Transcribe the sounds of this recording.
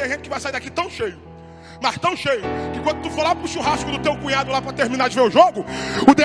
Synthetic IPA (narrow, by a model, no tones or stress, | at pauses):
ɐʒẽt͡ʃɪkɪvajsaid̪akit̪ɐ̃w̃ʃejʊ | mɐʃt̪ɐ̃w̃ʃejʊkɪkwɐ̃d̪ʊt̪ufolapɾʊʃuɦaskʊd̪ʊt̪ewkũɲad̪ʊlapɾɐt̪eɾminad͡ʒɪveɾʊʒoɡʊʊd̪e